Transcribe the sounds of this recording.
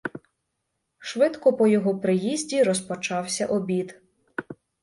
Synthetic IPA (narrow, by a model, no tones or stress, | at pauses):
ʃʋɪd̪kɔpɔjɔɦɔpɾɪjizʲdʲiɾɔspɔt͡ʃɑwsʲɐʔɔbʲid̪